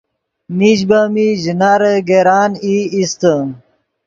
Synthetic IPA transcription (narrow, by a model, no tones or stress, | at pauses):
miʑbamiʑinaːɾeɡeɾaːniist̪ə